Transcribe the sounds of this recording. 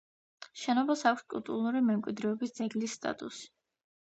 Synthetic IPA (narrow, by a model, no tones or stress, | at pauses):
ʃɛnɔbasakʷʰskʼṵlˠt̪ʼuɾlˠuɾimɛmkʼwid̪ɾɛɔbisd̪zɛɡlisːt̪ʼa̰t̪ʼusi̥